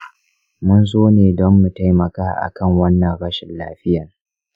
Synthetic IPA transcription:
mʊ˦nzoː˦neː˨dɔ˦mːu˨ta˦jmɐ˨kaː˦ʔa̰˨kɐ˦ŋwɐ˦nːɐ˨ŋɽɐ˦ʃɪ˨nla̰ː˦ɸɪ˦jɐ˨

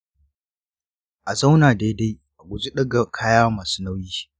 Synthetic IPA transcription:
ʔa˨za˦wnaː˨da˦da˦j | ʔa˨ɡʷʊ˨zu˦ɗɐ˦ɡa˨kʰaː˦jaː˦maː˨su̥˦na˦wjiː˦

